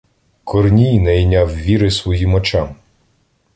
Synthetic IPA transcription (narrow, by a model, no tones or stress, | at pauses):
kɔrnʲijnɛjnʲawʋʲiɾɪsʋɔjimɔt͡ʃam